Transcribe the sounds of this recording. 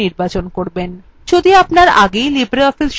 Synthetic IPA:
iɾbat͡ɕonkoɾben | d͡ʑod̪iapnaɾa̰ɡejlibɾeɔfisʃ

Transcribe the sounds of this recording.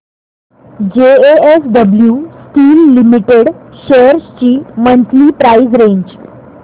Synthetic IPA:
d͡ʑeesɖəbljusʈiːlːimiʈeɽɕeɾst͡ɕiːmənt̪liːpɾaizɾeɲd͡ʑ

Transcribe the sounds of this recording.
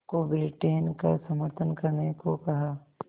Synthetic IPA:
kobɪɾɪʈeːnkasɐməɾt̪ʰənkɐɾnekokɐɦaː

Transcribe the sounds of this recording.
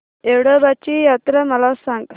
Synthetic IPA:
ewɽəbat͡ɕijat̪ɾəməlasãŋə

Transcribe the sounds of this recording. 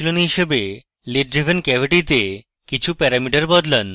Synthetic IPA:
ilonɦiʃebe | leɖɾivʱenkɛbʱiʈit̪e | kit͡ɕʰupɛɾamiʈaɾbɔd̪lan

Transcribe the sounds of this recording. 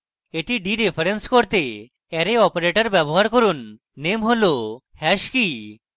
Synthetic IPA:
eʈiɖiɾepʰaɾenskoɾt̪e | ɛɾeɔpeɾeʈaɾbɛboɦaɾkoɾunː | emɦolo | hɛʃki

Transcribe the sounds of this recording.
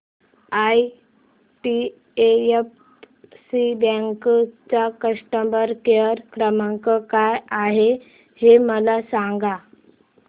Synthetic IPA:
aj | ʈi | eef | sibə̃ŋkt͡sakəʂʈəmbəɾkejəɾkɾəmãŋkəkajaɦe | heməlasãŋɡa

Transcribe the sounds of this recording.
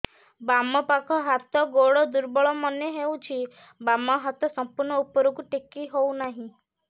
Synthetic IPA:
bamɔpakʰɔɦat̪ɔɡoɽɔd̪uɾbɔɭɔmɔneɦewt͡ʃʰi | bamɔɦat̪ɔsɔmpuɾɳɔupɔɾukuʈikːiɦownaɦĩ

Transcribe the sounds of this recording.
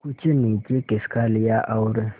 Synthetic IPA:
kut͡ʃʼɪnit͡ʃʼekʼeskʰalɪjaʔaʊɾɪ

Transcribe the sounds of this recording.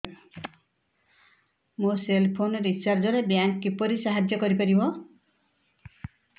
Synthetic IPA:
moselpʰonɔɾit͡ʃaɾd͡ʒɔɾebjaŋkːipɔɾisaɦad͡ʒjɔkɔɾipaɾibɔ

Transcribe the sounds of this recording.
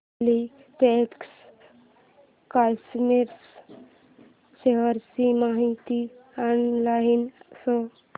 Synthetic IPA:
li | ʈeks | kalsmiɾs | ɕeɦəɾsimaɦit̪ianlaɦinsɔ

